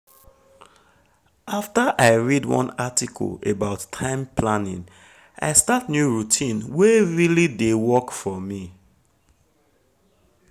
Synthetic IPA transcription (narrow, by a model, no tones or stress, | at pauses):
ʔaftəʔaɪɹidwɔ̰̃natikʰɔ̰lebaʊtʰːãɪ̃mpʰlanḭ̃n | ʔa̰ɪstatnjuɹutʰĩnweɹilidewɔkfɔmi